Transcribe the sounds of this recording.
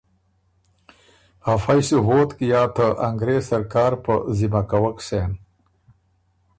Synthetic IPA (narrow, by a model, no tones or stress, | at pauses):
hafajsuɦoːt̪kijaːt̪ʰəʔaŋɡɾeːsaɾkaːɾpəzimakawəkseːn